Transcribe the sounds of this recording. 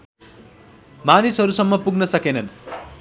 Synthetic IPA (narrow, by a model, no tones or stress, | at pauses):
manisɦʌɾusʌmːʌpuɡnʌsʌkenʌn